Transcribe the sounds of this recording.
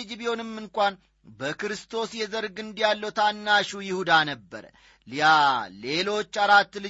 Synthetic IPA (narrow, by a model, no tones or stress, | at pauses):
d͡ʒibio̞nɨmːɨŋkʷʼan | bəkɾɨst̪ʰo̞sjɛzəɾɡɨnd̪ijalːəwt̪ʰanːaʃujɪhud̪anəbːə̰ɾ | ljale̞lo̞t͡ʃːaɾat̪ːlɨ